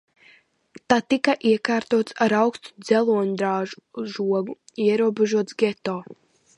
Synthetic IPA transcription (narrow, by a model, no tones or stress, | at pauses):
t̪at̪ikaʔiɛkaːɾt̪uɔt̪saɾawkst̪u̥d̪z̥ɛlˠuɔɲud̪ɾaːʒuʒuɔɡuiɛɾuɔbeʒuɔt̪sɡʲet̪ɔː